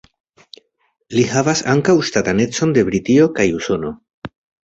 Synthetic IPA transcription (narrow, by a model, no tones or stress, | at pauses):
lihavasaŋkawʃt̪at̪ane̞t͡so̞nd̪e̞bɾit̪io̞kajuso̞no̞